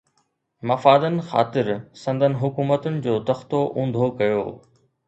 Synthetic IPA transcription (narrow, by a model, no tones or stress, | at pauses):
mɐfaːd̪ənɪ̆xa̰ːt̪ɪɾsɐ̃nd̪ʱənɪ̆ɦʊkuːmət̪ənɪ̆d͡ʑoːt̪ɐxt̪oʔũːn̆d̪ʱokɐjo̰ː